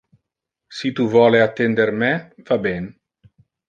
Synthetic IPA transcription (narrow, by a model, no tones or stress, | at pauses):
sit̪uvwɔːleat̪ːend̪ermɛvabɛn